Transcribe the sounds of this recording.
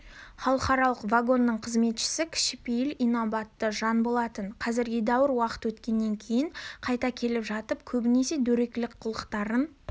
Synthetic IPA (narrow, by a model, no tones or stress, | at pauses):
χɑlˠəqɑɾɑlˠəqvaɡo̞nːəɴqʰəzme̞t̪ʃɪ̥sɪkʲʰɪ̥ʃɪ̥pejɪlijnobɑt̪ːəʒɑnbo̞lˠɑt̪ənqʰɑzɪɾɡʲed̪ɑwəɾwɑqə̥t̪wɵt̪kʲe̞nːe̞ŋkʲʰe̞jɪɴqʰɑjt̪ɑkʲʰe̞lɪpʒɑt̪əp̚kʲʰɵbɪnese̞d̪ɵɾe̞kʲlɪkqʰʊlˠəqt̪ɑɾən